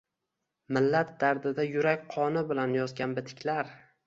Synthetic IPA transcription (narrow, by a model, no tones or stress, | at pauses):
mɪlːat̪̚d̪̥aɾd̪ɪd̪ajʊɾakʲqʰɒnɪbɪlanjɒzɡʲanbɪt̪ʰɪ̥kʲʰlaɾ